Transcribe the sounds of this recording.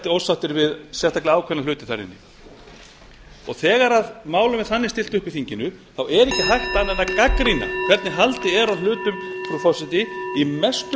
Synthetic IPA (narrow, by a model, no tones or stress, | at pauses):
t̪ɪowsaht̪ɪɾvɪðsjɛst̪ʰaklɪaːwkʰvɛnːalʏːt̪ɪ̥θaɾɪ̰nːɪ | ɔ̰ɣθɛːɣaɾaðmaːwlʏmɛ̥θanːɪst̪ɪl̥t̪ʏhpɪ̥θiɲcɪnʏθawɛɾɪhcɪɦajhtplanɛnːakakɾina̰kv̥ɛɾt̪nɪɦalt̪ɪɛɾawlʏːt̪ʏmfɾufɔsɪt̪ɪimɛst̪